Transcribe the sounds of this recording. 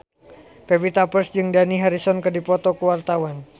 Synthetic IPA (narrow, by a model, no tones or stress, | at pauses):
fevit̪apərsd͡ʒɨŋdaniɦaɾisɔnkɨrdipɔt̪ɔkuwart̪awan